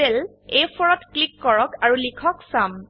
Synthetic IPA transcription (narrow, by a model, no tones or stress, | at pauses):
el | ejpʰɔɹɔtklikːɔɹɔkaɹulikʰɔksam